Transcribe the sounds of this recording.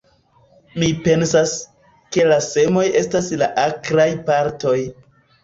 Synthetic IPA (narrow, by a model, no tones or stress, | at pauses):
mipe̞nsas | ke̞lase̞mo̞je̞staslaʔakɾajpaɾto̞j